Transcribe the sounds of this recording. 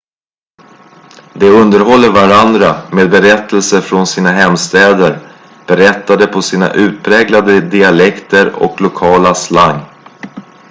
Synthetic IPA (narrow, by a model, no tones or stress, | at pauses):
d̪ɛɵnd̪əɾɦɔlːəɾvaɾand̪ɾameːd̪̚bɛɾɛt̪ːəlsəfɾɔnsiːnaɦɛmst̪ɛːd̪əɾ | b̥ɛɾɛt̪ːad̪əpʰɔsiːna̰ʔʉ̟ːt̪̚pʰɾɛːɡlad̪əd̪ɪalɛkt̪ʰəɾɔ̰klʊkʰɑːlaslaŋː